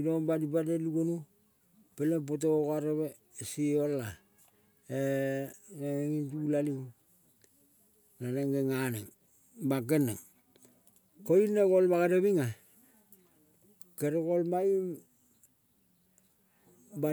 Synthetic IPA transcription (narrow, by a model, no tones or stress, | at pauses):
inombadipadeluɡonu | pelep̬ot̬ookaɾeβe | siola | e | neeŋintulaliŋ | laneŋɡeŋaneŋ | bak̬enḛŋ | koinekolbakeɾeβiŋa | keɾekolmaim | ba